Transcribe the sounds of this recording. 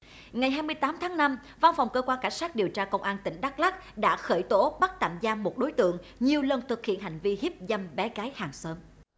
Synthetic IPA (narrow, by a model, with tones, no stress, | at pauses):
ŋa˨˩jɦaː˧jmɨ˧əjt̪aː˨˦mt̪ʰaː˨˦ŋna˧m | va˧nfa˨˩wŋ͡mkəː˧kwaː˧nkaː˧˩jsaː˦˥k̚ɗi˨˩əwt͡ɕaː˧kə˧wŋ͡mʔaː˧nt̪ï˧˩ŋ̟ɗa˦˥k̚la˦˥k̚ɗa̰ː˧˥xəː˧˩jt̪o˨˦ɓa˦˥t̚t̪a̰ː˧˨mzaː˧mo˨˩t̚ɗo˨˦jt̪ɨ̰˧˨əŋɲi˨˩əwlə˧nt̪ʰɨ˨˩k̚hḭ˧˨ənɦa̰˨˩jŋ̟vi˧hi˦˥p̚za˧mɓɛ˨˦ɣaː˨˦jhaː˨˩ŋsəː˨˦m